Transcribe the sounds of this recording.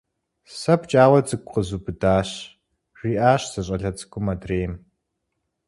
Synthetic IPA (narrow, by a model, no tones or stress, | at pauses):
sɐpt͡ʃʼaːwɐd͡zɨkʷʼqəzuːbɨdaːɕ | riːʔaːɕz̥ɐɕ̬ʼɐɮɐt͡sʼɨ̥kʷʼʊmɐdreːjm